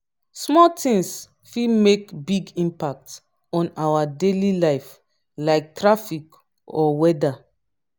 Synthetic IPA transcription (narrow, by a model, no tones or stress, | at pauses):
smɔltĩŋs | fimekbiɡĩmpak̚t | ɔ̃nawadelilaɪf | laɪk̚tɹafik | ɔwɛda